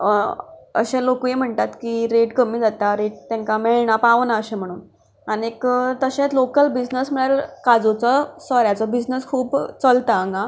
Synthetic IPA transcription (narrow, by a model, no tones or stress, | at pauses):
ə̰ɕẽlokujem̤əɳt̪at̪kiːɾeʈkəmiːd͡zat̪aɾeʈ̚t̪jãŋkameɭɳapaʋnaəɕẽm̤əɽ̃uːn | aniekt̪əɕẽt͡slokəlbid͡znəsm̤əɽɭaɾkad͡zot͡sɔsɔɾjat͡sɔbid͡znəskʰuːbt͡səlt̪aəŋɡa